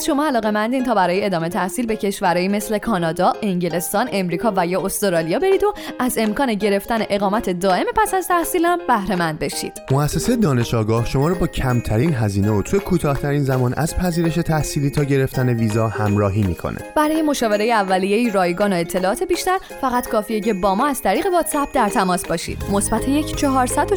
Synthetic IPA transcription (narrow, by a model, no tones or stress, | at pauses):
ʃo̞mɒːælɒːɣe̞mænd̪iːnt̪ʰɒːbæɾɒːjeed̪ɒːmet̪ʰæhsiːlbe̞cʰe̞ʃvæɾɒːjime̞sle̞kʰɒːnɒd̪ɒːʔeŋɟele̞st̪ɒːne̞mɾiːkʰɒːvæjɒːost̪oɾɒlijɒːbe̞ɾiːd̪o̞æze̞mkʰɒːne̞ɟe̞ɾe̞ft̪æne̞ʔe̞ɣɒːmæt̪ʰe̞d̪ɒːe̞mepʰæsæzt̪ʰæhsiːlhæmbæhɾe̞mænd̪̚be̞ʃḭd̪̥moæsːe̞sejed̪ɒːne̞ʃɒːɡɒːhʃo̞mɒːɾɔbɒːcʰæmt̪ʰæɾinɦæziːneot̪ʰujekʰuːt̪ʰɒːht̪ʰæɾiːnzæmɒːnʔæ̰zpʰæziːɾe̞ʃe̞t̪ʰæhsiːliːt̪ʰɒːɟe̞ɾe̞ft̪æne̞viːzɒhæmɾɒːɦiːmḭːkʰo̞̰nʔḛb̥æɾɒːje̞mo̞ʃɒːve̞ɾejeævːælijeiːɾɒːjɡɒːnoe̞t̪ʰːe̞lɒːɒːt̪ʰe̞biːʃt̪æɾ | fæɣæt̪kʰɒːfijece̞bɒːmɒːæz̥t̪ʰæɾiːɣe̞vɒt̪sæp̚d̪æɾt̪ʰæmɒːsbɒːʃḭd̪̥mo̞sbæt̪ʰejecʰt͡ʃʰɒɦɒːɾsæd̪o